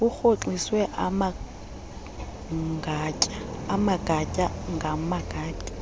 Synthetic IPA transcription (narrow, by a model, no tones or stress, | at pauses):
ʊk͡xʰot͡ɬʼisweʔama | ŋɡacʼaːmaɡʼacʼaŋɡamaɡʼaːcʼḁ